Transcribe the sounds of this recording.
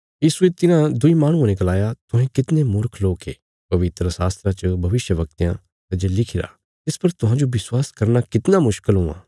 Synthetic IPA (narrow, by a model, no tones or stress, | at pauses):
jiːsuet̪ɪnãd̪ʊimaːɽ̃ũãːnẽɡɐlaːjat̪ʊɦẽkɪt̪nẽmʊɾkʰloːkḛː | pɐʋɪt̪ɾəsaːst̪ɾãt͡ʃəbʱɐʋɪʃjəʋɐk̚t̪ijã̰ | t̪ɐd͡ʒelɪkʰɪɾa̰ː | t̪ɪspɐɾt̪ʊɦãːd͡ʒoʋɪswaːskɐɾnakɪt̪namʊʃkɪlɦũã̰ː